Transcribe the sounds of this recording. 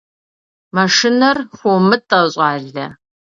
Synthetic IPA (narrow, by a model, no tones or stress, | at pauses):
mɐʂɪnɐrxʷomɨtʼɐɕʼɑːɮɐ̰